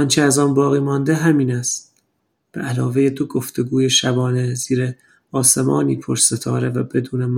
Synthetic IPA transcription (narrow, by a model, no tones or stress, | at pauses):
ɒnt͡ʃʰeæzɒːnbɒːɣiːmɒːnd̪e̞ɦæmiːnæst̪ | b̥eʔælɒːve̞jed̪oɡoft̪e̞ɡuːjeʃæbɒːne̞z̥iːɾe | ɒːse̞mɒ̰ːniːpʰoɾse̞t̪ʰɒːɾe̞væbe̞d̪uːne̞m